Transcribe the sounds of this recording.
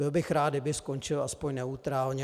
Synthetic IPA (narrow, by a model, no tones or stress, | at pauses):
bɪlbɪxɾaːd̪dɪbɪsko̞nt͡ʃɪlʔaspoɲnɛut̪ɾaːlɲɛ